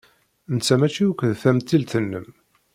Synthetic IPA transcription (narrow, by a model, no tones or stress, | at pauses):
nt͡sːæmæt͡ʃːiukʷðθæmt̪ːilt̪ənːəm